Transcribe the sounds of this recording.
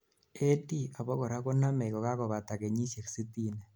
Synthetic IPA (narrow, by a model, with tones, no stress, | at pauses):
e˦di˦a˨βo˦ɣo˨ɾa˦ɣo˦na˦ma˨ɣo˨ɣa˦ɣo˨βa˨ta˨ɣe˨ɲi˦se˨ksi˦ti˦ne˨